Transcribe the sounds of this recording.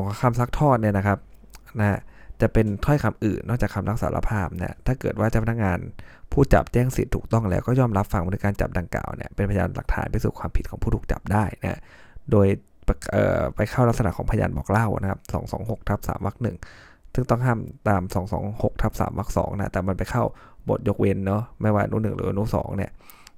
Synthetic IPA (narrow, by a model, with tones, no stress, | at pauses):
kʰa˧msa˦˥k̚t̪ʰɔː˥˩t̪̚ni˥˩ɐna˦˥kʰa˦˥p̚na˦˥t͡ɕa˨˩pe˧nt̪ʰɔ˥˩jkʰa˧mʔɯː˨˩nːɔː˥˩k̚t͡ɕaː˨˩kʰːa˧mla˦˥k̚saː˨˦lʔa̰˧pʰaː˥˩p̚ni˥˩ɐt̪ʰaː˥˩kɤː˨˩t̪̚waː˥˩t͡ɕa˨˩pʰa˧˩na˥kŋaː˧npʰuː˥˩t͡ɕa̰˨˩p̚t͡ɕɛː˥˩ŋsḭ˨˩t̪ʰːuː˨˩k̚t̪ɔ˥˩ŋlɛː˦wkɔː˥˩jɔː˥˩mɾa˦˥p̚fa˧ŋba˧nɯː˧˦kaː˧nt͡ɕa̰˨˩p̚da˧ŋkla̰ː˨˩wnḭ˥˩ɐpe˧npʰa˧ja̰ː˧nla̰˨˩k̚t̪ʰa̰ː˩˦npa˧jsuː˨˩kʰwaː˧mpʰi˨˩kʰɔː˩˦pʰuː˥˩t̪uː˨˩t͡ɕa̰˨˩p̚daː˥˩jna̰˦˥ | doː˧j | ʔɤ̰ː˨˩pa˧jkʰa˥˩wla˦˥k̚sa˧na̰˨˩kʰɔː˩˦pʰa˧ja̰ː˧nbɔ̰ː˨˩k̚la˥˩wna̰˦˥kʰa˦˥p̚sɔ̰ː˩˦ŋsɔ̰ː˩˦ŋɦo˨˩k̚t̪ʰa˦˥p̚sa̰ː˩˦mwa˦˥k̚nɯ˨˩ŋ | sɯ˥˩ŋt̪ɔ˥˩ŋɦaː˥˩mt̪aː˧msɔː˩˦ŋsɔ̰ː˩˦ŋho˨˩k̚t̪ʰa˦˥p̚sa̰ː˩˦mwa˦˥k̚sɔ̰ː˩˦ŋna˦˥t̪ɛː˨˩ma˧npa˧jkʰa˥˩w | bo̰˨˩t̪̚jo˦˥k̚we˧nːɔ˦˥ma˥˩jwaː˥˩˨nuː˧˥˩nɯ˨˩ŋɾɯː˨˦ʔnuː˦˥˩sɔ̰ː˩˦ŋni˦˥˩ɐ